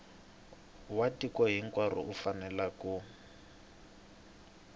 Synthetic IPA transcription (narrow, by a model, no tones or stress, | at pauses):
watikwɔɦiŋkwarɔ̰ʔufanɛlaku